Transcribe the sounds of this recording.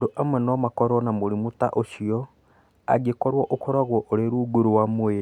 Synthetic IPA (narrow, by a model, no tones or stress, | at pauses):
doʔamwɛnɔmakɔɾɔnamoɾimutaʔoʃiɔ | a̰ɡekɔɾwɔʔokɔɾaɣwɔʔoɾeɾuːɡuɾowamwe